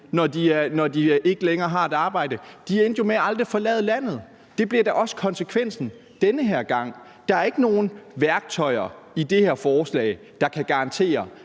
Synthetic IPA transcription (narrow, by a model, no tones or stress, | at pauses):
nɒdinɒd̥iʔe̝ɡ̥əleŋɐːɦɑ̈e̝d̥ɑ̈ːb̥ɑ̈ɪ̰d̥əd̥ien̰d̥jo̝meæɑ̈ld̥ʁifɒ̽lɛ̰ːð̞̩ˠlæn̰ð̞̩ˠ | d̥e̝b̥liɐd̥ɑ̈ʔɒ̽sə̥kʰɒ̽nsəkʰʋen̰sn̩ | d̥enəɦeɐ̰ɡ̥ɑ̈ŋ̰ | d̥ɑ̈æɐe̝ɡ̥əno̝ːn̩ʋæɐɡ̥̚t͡sʰɒ̽ɪɐ | id̥e̝heɐ̰fɒːslɛ̰ːɪ | d̥ɑ̈kʰæɡ̥ɑ̈ʁɑ̈nt͡sʰe̝̰ːɐ